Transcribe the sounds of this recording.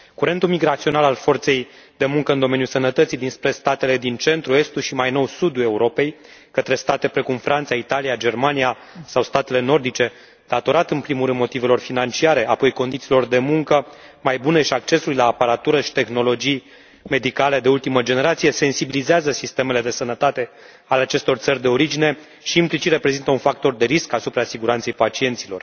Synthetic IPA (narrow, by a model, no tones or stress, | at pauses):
kuɾe̞nt̪ulmiɡɾat̪sio̞nalalfo̞rt̪se̞jd̪e̞muŋkəɨnd̪o̞me̞njusənət̪ət̪sijd̪inspɾe̞st̪at̪e̞le̞d̪int͡ʃe̞nt̪ɾue̞st̪uʃimajno̞wsud̪ue̞uɾo̞pe̞j | kət̪ɾe̞st̪at̪e̞pɾe̞kumfɾʔant̪sait̪alijad͡ʒe̞rmanija | sawst̪at̪e̞le̞no̞rd̪it͡ʃe̞ | d̪̥at̪o̞ɾat̪ɨnpɾimuɾɨnmot̪ive̞lo̞rfinant͡ʃiaɾe̞apo̞jko̞nd̪it̪silo̞rd̪e̞muŋkəmajbune̞ʃiak̚t͡ʃe̞sulʲlaːpaɾat̪uɾəʃi̥t̪e̞xno̞lo̞d͡ʒij | me̞d̪ikaled̪e̞ult̪iməd͡ʒe̞ne̞ɾat̪sije̞se̞nsibilizeazəsist̪e̞me̞le̞d̪e̞sənət̪at̪e̞ | ale̞at͡ʃe̞st̪o̞rt̪sərʲd̪e̞o̞ɾid͡ʒine̞ | ʃiːmplit͡ʃit̪ɾe̞pɾezint̪əunfak̚t̪o̞rd̪e̞ɾiskasupɾasiɡuɾant̪se̞jpat͡ʃie̞nt̪silo̞r